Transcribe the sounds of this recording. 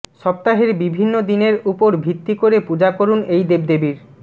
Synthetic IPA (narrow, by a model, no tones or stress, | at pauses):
ʃɔp̚t̪aɦeɾbibʱinːod̪ineɾupoɾbʱit̪ːikoɾepud͡ʑakoɾunejd̪eb̚d̪ebiɾ